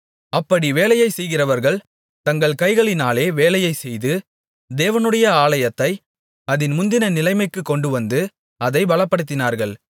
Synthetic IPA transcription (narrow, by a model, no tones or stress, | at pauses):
ɐpːɐɽiʋeːlɐjɐɪsɛjɣɪrɐʋɐɾɣɐɭ | t̪ɐŋɡɐɭkɐɪɣɐɭɪnaːleːʋeːlɐjɐɪsɛjðɯ | d̪eːʋɐnɯɽɐjɐaːlɐjɐt̪ːɐɪ | ɐðɪnmʊnd̪ɪnɐnɪlɐɪmɐɪkːɯkːɔɳɖɯʋɐnd̪ɯ | ɐðɐɪbɐɭɐpːɐɽɯt̪̬ːɪnaːɾɣɐɭ